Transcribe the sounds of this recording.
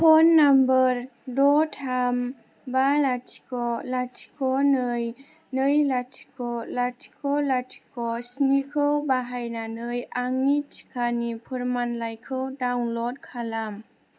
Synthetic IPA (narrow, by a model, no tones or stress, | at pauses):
pʰɔnːambəɾdɔtʰam | balatʰi̥kɔlatʰi̥kɔnɯj | nəjlatʰi̥kɔlatʰi̥kʰɔlatʰi̥kɔsnikʰəwbaɦajnanəjʔaŋitʰi̥kʰanipʰɯɾmanlajkʰɯwdawŋlɔt̚kʰalam